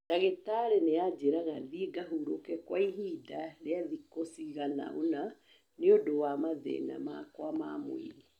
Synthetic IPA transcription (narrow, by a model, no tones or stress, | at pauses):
taɣetaɾenead͡ʒeɾaɣaðieɡaɦuɾokɛkwaiɦidaɾeaðikosiɣana̰ona | neodowamaðɛ̰na̰ma̰kwama̰mo̰ḭɾi